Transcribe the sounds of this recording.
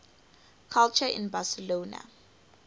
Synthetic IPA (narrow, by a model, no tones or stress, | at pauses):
kʰalt͡ʃʰaḭnbasɛloːna̰